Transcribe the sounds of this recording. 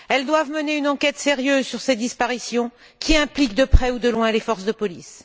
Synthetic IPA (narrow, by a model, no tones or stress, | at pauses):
ɛld̪wavməneynɑ̃kʲɛt̪seʁjøzsyʁsed̪ispaʁisjɔ̃ | kʲiɛ̃plik̚d̪əpχɛud̪əlwɛ̃lefɔʁsd̪əpɔlis